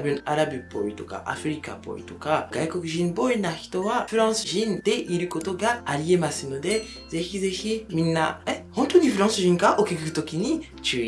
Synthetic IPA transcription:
bɯ̟̃aɾabɯ̟po̰ɾʲit̪o̞ka̰ʔa̰ɸɯ̟ɾʲika̰po̞̰ɾḭt̪o̞kaɡ̥aiko̞kɯ̟ʑĩmbo̞inaçi̥t̪o̞βaɸɯ̟ɾãɰ̃sɨ̥ʑĩnd̪̥e̞ʔiɾɯ̟ko̞t̪o̞ɡaːɾʲie̞masɨno̞d̪e̞ | ze̞çize̞çimʲĩnːa̰ehont̪o̞ɲ̟iɸɯ̟ɾãɰ̃sɨʑĩŋkaʔokʲikɯkɯ̟̥t̪okʲiɲ̟i | t͡ɕɨːi

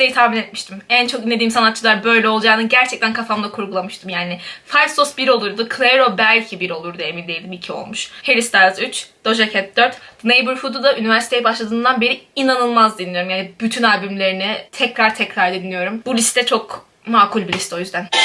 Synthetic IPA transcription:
d̪ejit̪ʰahminɛt̪̚miʃt̪ʰimænt͡ʃʰo̞kinːed̪iːmsanat̪̚t͡ʃʰɯlˠaɾbø̞jlʲɛo̞lˠd͡ʒaːnɯnɟæɾt͡ʃʰɛc̚t̪ʰænkʰafamd̪ˠakʰuɾɡulˠamɯʃt̪ʰɯmjaːnɪfajsosbiɾo̞lˠuɾd̪ukʰlʲˠeɾo̞bælʲcʰibiɾo̞lˠuɾd̪eminlʲejlʲd̪imicʰio̞̰lˠmuʃhe̞ɾisd̪aɾzyt͡ʃd̪̥o̞ʒacʰɛt̪̚d̪øɾt̪nejbuɾfud̪ud̪aʔynivæɾsi̥t̪ʰe̞jibaʃlˠad̪ɯːnd̪anbe̞ɾiinanɯlˠmazd̪inlʲːijo̞ɾumjaːnibyt̪ʰynalʲbymlʲe̞ɾinɪt̪ʰɛcɾaɾt̪ʰɛcɾaɾd̪inlʲijo̞ɾumbulʲist̪ːɛt͡ʃʰo̞k | maːkʰulʲbilʲist̪o̞jyzd̪æn

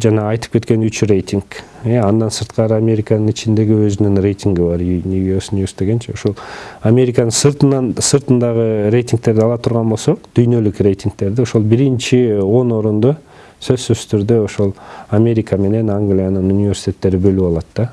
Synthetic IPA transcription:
d͡ʒɑnɑːjt̪ɯ̥pke̞t̪ke̞nyt͡ʃrʲe̞jt̪ʲiŋk | eɑnd̪ɑnsɯɾt̪qɑɾɯamʲe̞ɾʲikanɯnit͡ʃind̪e̞ɡiøzynyŋrʲe̞jt̪ʲiŋɡibɑɾnʲuosnʲesd̪e̞ɡe̞nt͡ʃeoʃolˠamʲe̞ɾʲikanɯsɯɾt̪nɑnsɯɾt̪ɯnd̪ɑʁəɾe̞jt̪ʲiŋk̚t̪e̞ɾd̪ɑlˠɑt̪ʰuɾʁɑnbo̞lˠso̞qd̪̥yjnø̞lykrʲe̞jt̪ʲiŋk̚t̪e̞ɾd̪io̞ʃo̞lˠbiɾint͡ʃio̞no̞ɾund̪o | sø̞zsyzt̪ʰyɾd̪øo̞ʃolˠamʲe̞ɾʲikame̞ne̞naŋɡlʲijanɯnunʲivʲe̞ɾsʲi̥t̪ʲet̪ːe̞ɾibø̞lyɑlˠɑt̪ːɑ

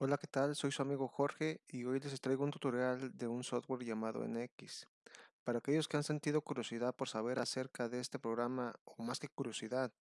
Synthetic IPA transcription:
o̞lake̞t̪also̞jsuamiɣo̞xo̞ɾxe̞io̞jle̞sest̪ɾeɣount̪ut̪o̞ɾjald̪e̞unsoðwe̞ɾʝamaðo̞̰ḛneekis | paɾaːke̞ʝo̞ske̞anse̞nt̪iðo̞kuɾjo̞siðað̚po̞ɾsaβ̞e̞ɾase̞ɾkaðe̞est̪e̞pɾo̞ɣɾamaomaske̞kuɾjo̞siðað

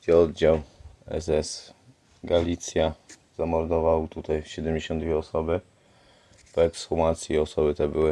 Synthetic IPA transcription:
ɔd̪̚d͡ʑawɛ̰zɛs | ɡalʲit̪sja | z̥amɔɾd̪ɔvawt̪ut̪ajɕɛd̪ɛmd͡ʑeɕɔnd̪vʲjɛɔsɔbɘ | pɔɛksfumat̪sʲjiɔsɔbɘt̪ɛbɘwɘ

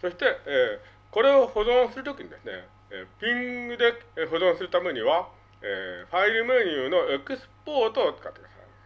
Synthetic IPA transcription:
sʰʌɕʰi̥t̪͈ee | kʌɾehodoŋs͈ʰɯɭt͈okind̪enḛ | epiŋdek̚eɸodoŋsʰɯɭt͈amɯɲiwa | ḛɸʰaiɾmeɲiunoekʰɯsʰɯ̥p͈ot͈ot̚k͈atksa̰

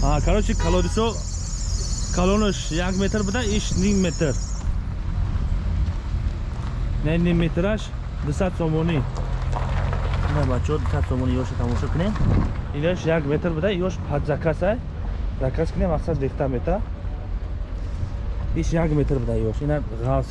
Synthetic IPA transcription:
hakʰaɾɔt͡ʃikʰalɔd̪it͡ʃɔ | kʰalɔnəʃ | jaɡmet̪ʰɾbəd̪aiʃniŋmet̪ʰɾ | nanimmet̪ʰɾaʃ | d̪usat̪sɔmɔni | inabat͡ʃʰɔd̪usat̪sɔmɔniɔʃat̪ʰamɔʃɔkʰəneinɔʃjaɡmet̪ʰɾbɨd̪aijɔʃpʰat̪zakʰasaj | zakʰaskʰənemasat̪leχt̪ʰamet̪ʰa | iʃjaɡmet̪ʰɾbɨd̪aiɔʃinaʁals

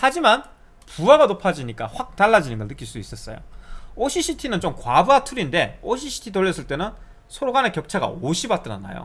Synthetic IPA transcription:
had͡ʑiman | puaɡanopʰad͡ʑiɲik͈aɸwak̚taɭːad͡ʑinɯnɡʌɭnɯk͈ːiɭs͈udois͈ʌs͈ʌ̰jo̰oɕʰiɕʰitʰinɯnt͡ɕomkwabuatʰuɾinde̞oɕʰiɕʰi̥tʰitoʎːʌs͈ɯɭt͈e̞nɯn | sʰoɾoɡanekjʌp̚t͡ɕʰaɡa̰oɕʰibat͈ɯɾa̰na̰jo̰

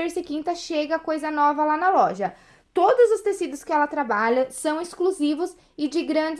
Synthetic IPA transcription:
eɾsɪkĩnt̪ɐʃeɡɐkojzɐnɔvɐlanɐlɔʒɐ | t̪od̪ʊzʊst̪esid̪ʊskɪɛlɐt̪ɾabaʎɐsɐ̃w̃ɪskluzivʊs | ɪd͡ʒɪɡɾɐ̃d͡ʒɪ

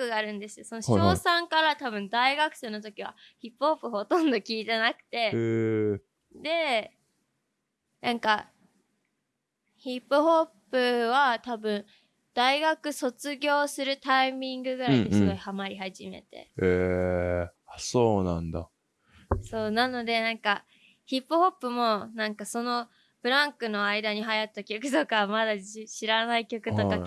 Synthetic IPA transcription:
kɯ̟ɡaːɾɯ̟̃nd̪e̞sɨjo̞sonoɕo̞ːsãŋkaɾat̪abɯ̟̃nd̪aiɡakɯ̟̥onot̪o̞kʲiβ̞a̰çipːɯ̟ho̞pːɯ̟ho̞t̪õ̞nd̪o̞kʲiːt̪e̞nakɯ̟̥t̪e̞ | d̪e̞ | nãŋka | çipːɯ̟ho̞pːɯ̟βat̪abɯ̟̃n | d̪̥aiɡakɯ̟so̞t͡sɨɡʲo̞ːsɨɾɯ̟t̪aimʲĩŋɡɯ̟ɡɯ̟ɾaiɲisɨɡo̞ihamaɾʲihaʑime̞̰t̪e̞̰eː | so̞ːnã̰nd̪a̰ | so̞ːnano̞d̪e̞nãŋka | çipːɯ̟ho̞pːɯ̟mo̞nãŋkaso̞no̞ | b̥ɯ̟ɾãŋkɯ̟no̞aid̪aɲ̟iɦajat̪ːakʲokɯ̟t̪okamad̪aɕiɾanaikʲo̞kɯ̟t̪oka

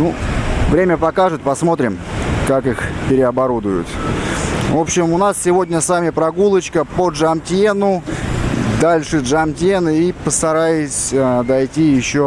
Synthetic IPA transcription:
nuvɾʲemʲəpɐkaʐɨt̪̚ʲpɐsmo̞t̪ɾʲɪmkakɨxpʲɪɾʲɪɐbɐɾud̪ʊjʊ̰t̪ | vo̞pɕːɪmʊnassʲɪvo̞dʲnʲəsamʲɪpɾɐɡulˠət͡ɕkəpəʐɐmtʲenʊ | d̪alʲʂɨʐɐmtʲenɨipəst̪ɐɾajɪsʲəd̪ɐjtʲijɪɕːo

